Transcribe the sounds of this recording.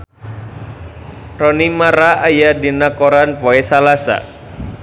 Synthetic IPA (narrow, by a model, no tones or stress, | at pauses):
rɔnimaɾaajadinakoɾanpɔesalasa̰